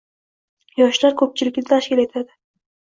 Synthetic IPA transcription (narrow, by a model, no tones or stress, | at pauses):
jɒʃlaɾkʰɵp̚t͡ʃʰɪlɪkʲnɪt̪ʰaʃkʲɪle̞t̪ʰad̪ɪ